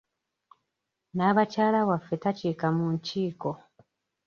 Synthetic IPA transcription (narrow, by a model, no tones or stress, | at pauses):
naːβacaːlawafːe̞taceːkamuɲciːko̞